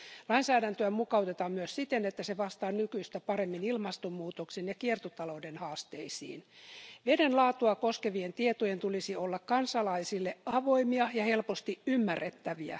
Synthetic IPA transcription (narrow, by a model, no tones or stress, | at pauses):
lɑinsæːdænt̪øæmukɑut̪et̪ɑːmmyøssit̪enet̪ːæseʋɑst̪ɑːnykyist̪æpɑɾemːinilmɑst̪omːuːt̪oksenjɑkiert̪ot̪ɑloudenhɑːst̪eisḭːnʋedenlɑːt̪uɑkoskeʋient̪iet̪ojent̪ulisiolːɑkkɑnsɑlɑisilːeʔɑʋoimiɑjɑhe̞lpost̪iʔymːærːet̪ːæʋiæ̰